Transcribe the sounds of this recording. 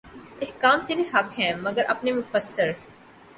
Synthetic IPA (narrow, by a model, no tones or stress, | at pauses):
ɪhkaːmt̪enẽɦɐkɦɛ̃ːmɐɡəɾʔɐ̰pnemʊfəsːɪɾ